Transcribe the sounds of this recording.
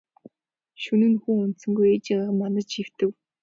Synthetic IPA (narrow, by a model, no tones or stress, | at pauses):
ʃɵnɘ̆nxuːɵnt̪sɵ̆ŋɡujet͡ɕɪɢaːʁə̆mːanə̆t͡ɕʃiw̥t̪ɘ̆w